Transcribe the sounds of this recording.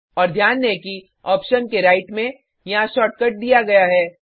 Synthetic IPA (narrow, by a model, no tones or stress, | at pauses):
ɔːɾd̪ʱjaːnːeki | ɔːpʃənkeɾaːɪʈmẽ | jɐɦãʃɔːʈ̚kəʈ̚d̪ijaɡɐjaɦɛː